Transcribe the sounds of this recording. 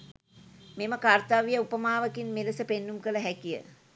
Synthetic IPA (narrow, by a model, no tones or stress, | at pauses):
meməkart̪aʋijəupəmaːʋəkinmeləsəpenːumkələɦækijə̰